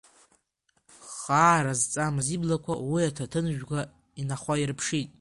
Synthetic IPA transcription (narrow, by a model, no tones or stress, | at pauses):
χaːɾazt͡sʼamziblakʷʰawiatʰatʰɨnʒᶣɡʷa | inaχʷairpʰʂitʼ